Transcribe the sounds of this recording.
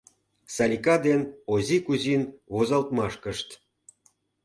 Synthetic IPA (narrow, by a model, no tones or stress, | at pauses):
sɑlʲikɑd̪enozʲikuzʲinβozɑlt̪mɑʃkəʃt̪